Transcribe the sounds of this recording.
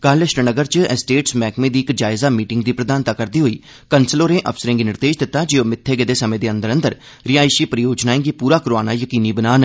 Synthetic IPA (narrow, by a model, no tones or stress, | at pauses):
kaːləʃənəɡəɾt͡ʃsʈeːʈsmɛːkmẽːd̪iːɪkd͡ʒaːɪzaːmiːʈɪŋɡd̪iːpɾəd̪aːnt̪aːkəɾd̪iːɦoiː | kənsəloːɾẽːʔə̰fsəɾɪ̃ŋɡinɪɾd̪eːd͡ʒd̪ɪt̪ːaːd͡ʒeːoːmɪt̪ʰːeːɡed̪eːsəmẽːd̪eːə̃nd̪əɾənd̪əɾ | ɾɪjaːɪʃiːpəɾjoːd͡ʒnaːẽːɡiːpuːɾaːkʊɾaːnaːjəkiːniːbənaːn